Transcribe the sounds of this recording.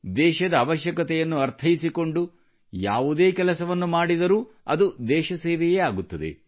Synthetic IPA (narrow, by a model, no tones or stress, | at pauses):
d̪ɛːʃɐd̪ɐːʋɐʃjɐkɐt̪ɛjɐnːuɐɾt̪ʰɐjisiko̞ɳɖu | ja̰ːʋud̪eːkɛlɐsɐʋɐnːumaːɽid̪ɐɾuː | ɐ̰d̪ud̪ɛːʃɐseːʋɛjeːaːɡut̪ːɐd̪e̞̰